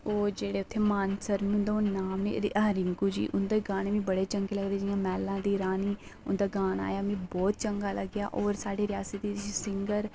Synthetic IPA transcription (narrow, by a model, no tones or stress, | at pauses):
oːɾd͡ʒeːɽeːʊt̪ʰːeːmaːnsəɾmĩʊnd̪oʊnaːmnḛːɾɪŋkuːd͡ʒḭːʔʊnd̪eːɡaːneːmĩːbəɽeːt͡ʃəŋɡeːləɡd̪eːd͡ʒɪjãːmɛːlãːd̪iːɾaːniː | ʊnd̪aːɡaːna̰ːjaːmĩːbɔːt̪̚t͡ʃəŋɡaːləɡjaːʔɔːɾsaːɖeːɾɪjaːsət̪iːd͡ʒisɪŋɡəɾ